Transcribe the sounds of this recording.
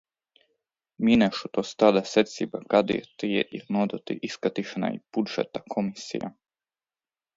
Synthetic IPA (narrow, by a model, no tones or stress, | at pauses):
minɛʃut̪ost̪ad̪aset̪sibakad̪ḭet̪ijḛʔiɾnod̪ot̪ḭʔiskat̪iʃna̰ḭpud̪ʒɛ̰t̪akʰomisḭja̰